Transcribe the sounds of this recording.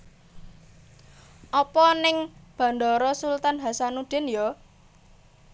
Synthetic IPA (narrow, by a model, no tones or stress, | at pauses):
ʔɔpɔnɪŋb̥ä̤ɳɖ̪ɔɾɔsult̪anɦasanud̪̥ɪ̤njɔ